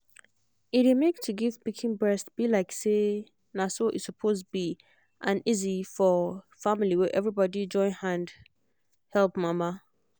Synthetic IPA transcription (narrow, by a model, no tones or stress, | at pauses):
idemek̚tʰuɡivbikʰĩnbɹɛstb̥ilaɪkse | nasoʔɪsupʰostbi | ʔãnizifɔ | fãmiliwɛʔɛvɹibɔdid͡ʒɔ̃ɪ̃nhãnd | hɛlˠpmãma